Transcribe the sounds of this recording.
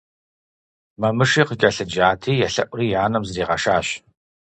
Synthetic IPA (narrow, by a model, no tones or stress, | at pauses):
mɐmɨʂiːqəɡʲɐɬɨd͡ʒaːtʰiːjɛɬɐʔʷʊriːjaːnɐmzriːʁɐʂaːɕ